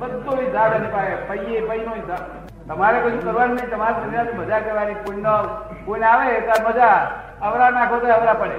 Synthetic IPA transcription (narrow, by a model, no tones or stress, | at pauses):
bəd̪oʋid͡zaɽenepaepəjjepəinoid͡za | t̪əmaɾekot͡ʃʰũkəɾʋanunəĩt̪əmaɾid͡ʒənɾat̪iməd͡ʒakeʋaɾikuno | kunaʋet̪aɾməd͡ʒa | əʋɾanakʰot̪aəʋɾapəɽe